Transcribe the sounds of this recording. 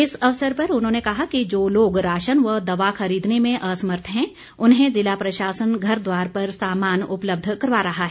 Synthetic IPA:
ɪsɐʋsəɾpɐɾʊnɦõːnekɐɦakid͡ʒoːloːɡɾaːʃənʋəd̪ɐʋaxɐɾiːd̪nemẽʔɐsəməɾt̪ʰɦɛ̃ | ʊnɦẽd͡ʒɪlapɾɐʃaːsənɡʱɐɾd̪waːɾpɐɾsaːmaːnʊpləb̚d̪ʱkɐɾʋaɾɐɦaɦɛː

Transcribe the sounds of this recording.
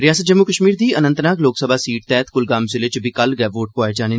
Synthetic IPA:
ɾɪjaːsət̪̚d͡ʒəmːukəʃmiːɾd̪iːənə̃nt̪naːkloːksəbʱaːsiːʈ̚t̪ɛːt̪kʊlɡaːmselɪt͡ʃbʱikɐlɡɛːboːʈ̚poːed͡ʒaːne

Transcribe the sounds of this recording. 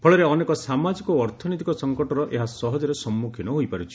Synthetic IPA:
pʰɔɭeɾeɔnekɔsamad͡ʒikɔːɾt̪ʰɔnit̪ikɔsɔŋkɔʈɔɾɔʔeɦasɔɦɔd͡ʒɔɾesɔmːukʰinɔɦojpaɾut͡ʃʰi̥

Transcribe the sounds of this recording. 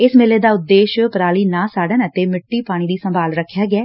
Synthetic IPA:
ɪsmeleːd̪aːʊd̪ːeːʃpəɾaːliːnãːsaːɽənət̪eːmɪʈːiːpaːɽ̃iːd̪iːsəmbʱaːlɾəkʰːjaːɡɪɛː

